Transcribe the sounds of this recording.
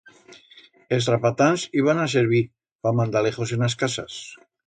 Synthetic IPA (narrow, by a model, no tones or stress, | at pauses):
elsrapat̪anziβanas̬eɾβ̞i | pamand̪aleχosenaskasa̰s